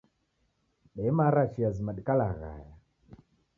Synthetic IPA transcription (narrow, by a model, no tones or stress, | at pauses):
ɓɛmaɾat͡ʃiazimaɗikala̰ɣa̰ja